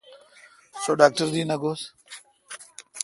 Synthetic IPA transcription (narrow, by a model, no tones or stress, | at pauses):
soːɖaːk̚ʈəɾd̪iːnɐɡoːs